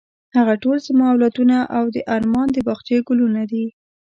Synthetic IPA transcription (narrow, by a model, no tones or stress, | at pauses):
haɣaʈolzəmaawlat̪unaʔawd̪əʔaɾmɑnd̪əbɑxt̪jeɡʊlunad̪i